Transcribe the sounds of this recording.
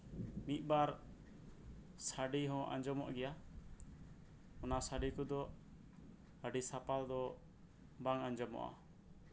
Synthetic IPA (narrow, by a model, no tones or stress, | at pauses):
mit̪̚ˀbaɾ | saɖiɦɔ̃ʔa̰ɲd͡ʒɔmɔʔɡɛja | ɔnasaɖikud̪ɔ | əɖisapald̪ɔ | baŋaɲd͡ʒɔmɔ̰ʔa̰